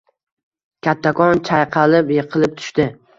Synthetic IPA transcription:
kʲʰat̪ʰːakʰɒnt͡ʃʰajqʰɑlɪpjɨqʰɨlˠɪp̚t̪ʰʊ̥ʃt̪ɪ

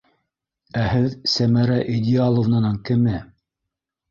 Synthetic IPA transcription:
æhɘðsæmæɾæʔid̪ʲɪalˠŏvnɑ̆nɑŋkɘ̆mɘ

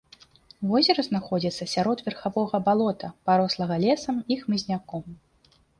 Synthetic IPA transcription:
vɔzʲɛɾɐznaxɔd͡zʲit̪sːɐsʲaɾɔd̪vʲɛrxavɔɣɐbalˠɔt̪ʰɐpaɾɔslˠɐɣɐlʲɛsɐmixmɨzʲnʲakɔm

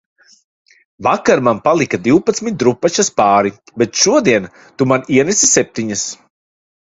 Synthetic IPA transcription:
vakaɾmanpalˠikad̪iwpat̪smit̪̚d̪ɾupːat͡ʃaspaːɾi | bet̪ʃuɔd̪iɛn | t̪umaniɛnɛsisɛp̚t̪iɲas

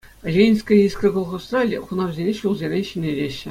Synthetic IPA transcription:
lʲenʲsʲkə̆isʲkɤ̆ɡŏlˠʁɤ̆st̪rɑlʲχunɑrzʲenʲeɕulˠzʲerʲeɕinʲeɾʲeɕ

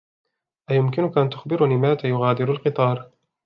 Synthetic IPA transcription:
ʔajʊmkɪnʊkaʔant̪ʊxbɪɾniːmaːt̪ajʊɣaːd̪ɪɾalqɨt̪ˤɑːɾˤ

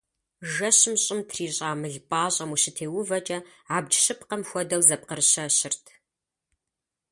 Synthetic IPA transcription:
ʒɐɕɪmɕʼɪmtʰriːɕʼaːmɨɮbʼaːɕʼɐmuɕɪtʰeːwʊvɐt͡ʃʼɐaːb̚d͡ʒʃɪpqɐmxʷɔdɐwzɐp̚qərɕɐɕɪrtʰ

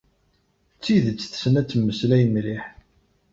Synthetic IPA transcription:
t͡sːiðət͡sːθə̥sənæt͡sːəmːəslæjəmliħ

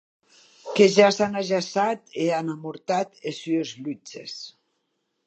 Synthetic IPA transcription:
keʒasanaʒasat̪eanamuɾt̪at̪esyezlut͡ʃḛs

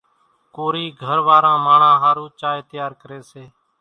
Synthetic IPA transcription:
koːɾiːɡʱəɾʋaːɾãːmaːɳãːɦaːɾũːt͡ʃaːeːt̪ɪjaːɾkəɾeːseː

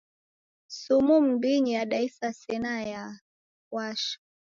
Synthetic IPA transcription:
sumum̩biɲijaɗaisasɛnaja | waʃḁ

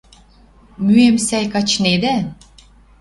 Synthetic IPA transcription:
myemsæjkɑt͡ɕned̪æ

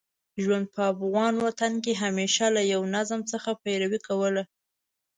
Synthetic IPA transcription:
ʒwand̪̚pəafɣɑnwat̪ankeɦameʃalajawnazmt͡səxapajɾawikawəla

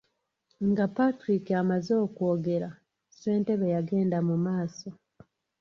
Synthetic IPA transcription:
ŋɡapatɾikiamazo̞ːko̞ːɡe̞ɾa | se̞ːnte̞βejaɡe̞ːndamumaːso̞

